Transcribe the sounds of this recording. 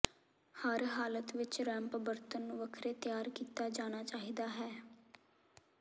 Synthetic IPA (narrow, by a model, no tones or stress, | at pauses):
həɾɦaːlət̪ʋɪt͡ʃɾɛ̃ːmpəbəɾt̪əñːʋəkʰɾeːt̪jaːɾkiːt̪aːd͡ʒaːñaːt͡ʃaːɦiːd̪aːɦɛː